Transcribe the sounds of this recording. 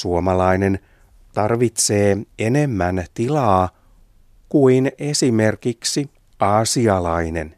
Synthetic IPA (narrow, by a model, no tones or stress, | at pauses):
suomɑlɑine̞n | t̪ɑrʋit̪se̞ːe̞ne̞mːænt̪ilɑː | kuine̞sime̞rkiksi | ɑːsiɑlɑine̞̰n